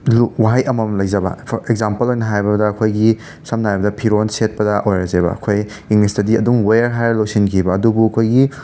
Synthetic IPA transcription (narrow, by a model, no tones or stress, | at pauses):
luwaɦajʔɐmɐmlɐjzɐbɐ̰eɡzampɐlojnɐɦajbɐdɐːkʰojɡi | sɐmnaɦajbɐdɐpʰiɾonset̚pɐdɐʔojɾɐzebɐ̰ɐkʰoj | iŋlisdɐdiɐduŋwejɐɾɦajɾlɐwsinkʰibɐːdubuɐkʰojɡi